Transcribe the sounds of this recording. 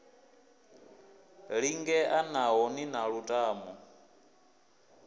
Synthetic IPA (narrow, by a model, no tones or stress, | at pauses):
ɺiŋɡɛʔanaɦɔninaɺutʼaːmɔ